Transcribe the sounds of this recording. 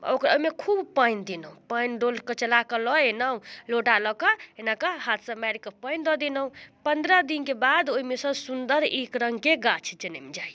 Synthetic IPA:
o̰kɾo̰ɦimekʰubpəjnd̪inəɦũpəjnɖolkət͡ʃəlakəlɔenaũloʈalɔkɔenakəɦat̪ʰsə̃maɾikəpəɪnd̪ɔd̪inəɦũpənd̪ɾəd̪inkebad̪oɦimesə̃sund̪əɾekɾə̃ŋɡkeɡat͡ʃʰd͡ʒənɛmd͡ʒaj

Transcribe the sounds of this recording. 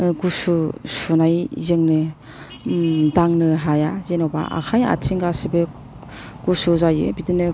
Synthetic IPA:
ɡususunajzɯŋnɯ | daŋnɯɦajazenɔwba̰ʔa̰kʰaja̰tʰiŋɡasebɯ | ɡ̥usuzajɯ̰bidɯnɯ

